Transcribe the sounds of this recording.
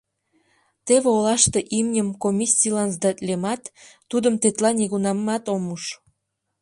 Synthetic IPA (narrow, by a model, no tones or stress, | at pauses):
t̪eβeolɑʃt̪eʔimnʲəmkomʲisʲilɑnzd̪ɑt̪lemɑt̪ː | ud̪əmt̪et̪lɑnʲiɣunɑmːɑt̪omuʃ